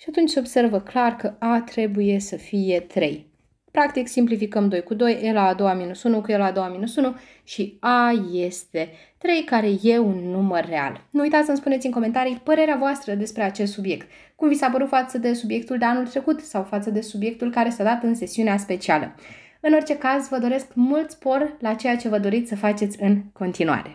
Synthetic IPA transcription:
ʃiat̪unt͡ʃsobse̞rvəklarkəat̪ɾe̞buje̞səfije̞t̪ɾe̞̰j | pɾak̚t̪iksimplifikəmd̪o̞jkud̪o̞jelaːd̪o̞waminusunukujelad̪o̞waminusunu | ʃiaje̞st̪e̞ | t̪ɾe̞jkaɾe̞je̞unːumərːe̞a̰lnuujt̪at̪ʲɨnspunesʲinŋko̞me̞nt̪aɾipəɾe̞ɾeavoast̪ɾəd̪e̞spɾe̞at͡ʃe̞st̪subje̞kt̪̚ | kumvitsap̬əɾut̪fat̪səd̪e̞subje̞kt̪uld̪eanult̪ɾe̞kut̪sawfat̪səd̪e̞subje̞k̚t̪ulkaɾe̞sad̪at̪ɨnse̞siuneaspe̞t͡ʃialə̰ | ɨno̞rt͡ʃe̞kazvəd̪o̞ɾe̞skmult̪spo̞rlat͡ʃe̞jat͡ʃe̞vəd̪o̞ɾit̪sʲsəfat͡ʃe̞t̪sʲɨnko̞nt̪inua̰ɾe̞

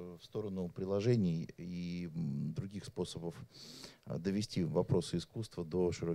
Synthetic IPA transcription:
fst̪o̞ɾənʊpɾʲɪlˠɐʐɛnʲɪji | d̪ɾʊɡʲixspo̞səbəf | d̪əvʲɪsʲtʲivɐpɾo̞sɨɪskust̪vəd̪o̞ʂɨɾo

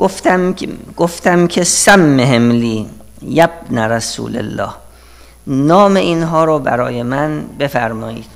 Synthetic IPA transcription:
ɡoft̪ɡ̥oft̪æmkʲʰesæmːeɦemliː | jæb̥̚næɾæsṵːlḛlːɒ̰ːh | nɒːmeiːnɦɒːɾobæ̰ɾɒːje̞mænbe̞fæɾmɒːḭːd̪̥

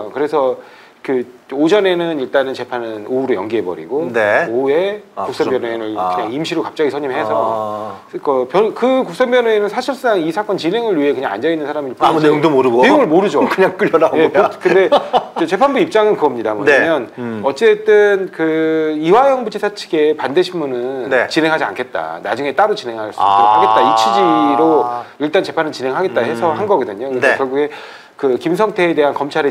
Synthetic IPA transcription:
kɯɾe̞sʰʌ | kɯod͡ʑʌne̞nɯniɭt͈anɯnt͡ɕe̞pʰanɯnouɾojʌŋɡiɦe̞bʌ̰ɾḭɡoneoe̞kuk̚s͈ʌbjʌnwenɯɭkɯɲaŋimɕʰiɾokap̚t͡ɕ͈aɡisʰʌɲimɦe̞sʰʌ | kʌpjʌkɯkuks͈ʌmbjʌnwenɯnsʰaɕʰiɭs͈uaŋisʰak͈ʌnt͡ɕinɦe̞ŋɯɭɥiɦe̞kɯɲaŋa̰nd͡ʑʌinːɯnsʰaɾamiɭpoamuneŋdomoɾɯɡoejoŋɯɭmoɾɯd͡ʑokɯɲaŋk͈ɯʎːjʌnanekkɯnde̞et͡ɕe̞pʰanbuip̚t͡ɕ͈aŋɯnkɯɡʌmɲidamʌ̰ɲaamjʌnʌt͡ɕ͈e̞t͈ɯnkɯiwajʌŋbut͡ɕʰisʰat͡ɕʰi̥ɡe̞pandeɕʰinmunɯnnet͡ɕinɦe̞ŋɦad͡ʑia̰nkʰe̞t̚t͈a̰na̰d͡ʑuŋe̞t͈aɾot͡ɕinɦe̞ŋɦaɭs͈uioɦaɡe̞t͈aitt͡ɕʰid͡ʑiɾoiɭt͈ant͡ɕe̞pʰanɯt͡ɕinɦe̞ŋɦaɡet̚t͈ahe̞sʰʌhanɡʌɡʌdɯɲokknekjʌɭɡuɡe̞ | kɯkims̬ʰʌŋtʰe̞ːde̞ɦankʌmt͡ɕʰaɾe

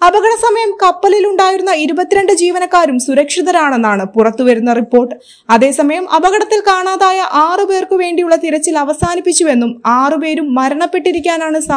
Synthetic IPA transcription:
ɐbɐɡɐɽɐsɐmɐjɐmkɐpːɐliluɳɖaːjiɾunːɐiɾubɐt̪ːiɾeɳɖɨd͡ʑiːʋɐnɐkːaːɾumsuɾɐkʂiðɐɾaːɳe̞nːaːɳɨpurɐt̪ːuʋɐɾunːɐripːo̞ːrʈːɨ | ɐðe̞ːsɐmɐjɐmʔɐbɐɣɐɽɐt̪ːilkaːɳaːðaːjɐʔaːrɨpe̞ːrkɨʋe̞ːɳɖijuɭːɐt̪iɾɐt͡ɕːilɐʋɐsaːnipːit͡ɕːue̞nːumaːrɨp̬e̞ːɾumːɐɾɐɳɐpːe̞ʈːiɾikʲːaːnaːɳɨsa

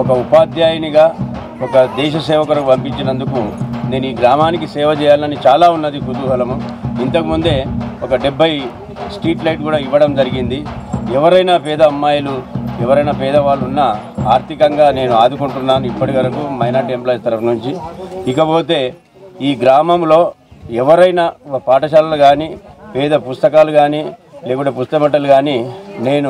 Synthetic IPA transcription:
ɔkɐupaːd̪ʱjaːjɐniɡaː | ɔkɐd̪ɛːʃɐsɛːʋɐkuɾɐkupɐmpiɲt͡ʃinɐnd̪ukune̞ːnuiːɡɾaːmaːnikisɛːʋɐt͡ʃɛːjaːlɐnit͡ʃaːlaːunːɐd̪ikut̪uɦɐlɐmuint̪ɐkimund̪e̞ːɔkɐɖebʱːɐji | sʈiːʈlɐjʈ̚kuːɽaːiʋːɐɽɐmd͡ʒɐɾiɡind̪iɛʋɐɾɐjnaːpɛːd̪ɐːmːaːjɐluɛʋɐɾɐjnapɛːd̪ɐʋaːɭːunːɐ | aːɾt̪ikɐŋɡaːne̞ːnuaːd̪ukuɳʈunːaːnuipːɐʈiʋɐɾɐkuːmɐjnaːɾɖemplaːjst̪ɐɾɐpnuɲt͡ʃiːkɐpo̞ːt̪e̞ː | iːɡɾaːmɐmlo̞ː | ɛʋɐɾɐjnapaːʈɐʃaːlɐlɐɡaːnipɛːd̪ɐpust̪ɐkaːluɡaːnileːkuʈeːpust̪ɐmɐʈɐluɡaːnine̞ːnu

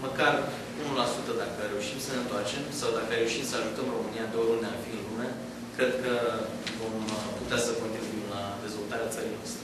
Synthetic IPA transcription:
məkar | unulasut̪əd̪akəɾe̞uʃimsəne̞ɨnt̪oart͡ʃe̞msawd̪akəɾeuʃimsəaʒut̪əmro̞mɨnijad̪oəɾund̪eafiɨnlume | kɾe̞d̪̚kə | vo̞mput̪easəko̞nt̪ɾibuimlad̪e̞zvo̞lt̪aɾeat̪səɾinoast̪ɾe

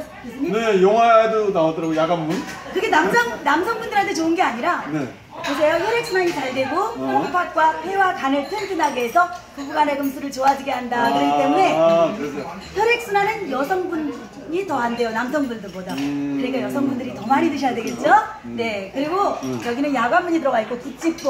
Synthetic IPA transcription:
nejoŋaedonaʌdʌɾaɡojaɡambunkɯɡenamsʰʌŋnamsʰʌŋbundɯɾantʰet͡ɕoɯnɡe̞aɲiɾane | kosajoçjʌɾek̚s͈ʰɯnaɲit͡ɕaɭde̞ɡopʰokpʰak̚k͈wapʰe̞wakanɯɭtʰɯɭdɯnaɡeːsʰʌkɯɡuɡaneɡɯmsʰuɾɯɭt͡ɕoad͡ʑiɡe̞ɦandakɯɾʌkit͈e̞mune̞kɾ | çʰʌɾe̞k̚s͈ɯnanɯnjʌsʰʌŋbun | ɲitʌɦande̞jonamsʰʌŋbundɯbodakɯɾik͈ajʌsʰʌŋbundɯɾitʌmaɲitɯɕʰʌjadweɡe̞t̚t͡ɕ͈o | ne̞kɯɾiɡojʌɡinɯnjaɡwamːuɲitɯɾʌɡaitk͈okut͡ɕ͈ip̚k͈o

